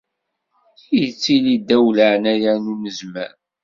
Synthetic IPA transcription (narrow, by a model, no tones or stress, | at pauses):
jət͡sːilid̪ːæwləʕnæjænunəzmæ̰ɾ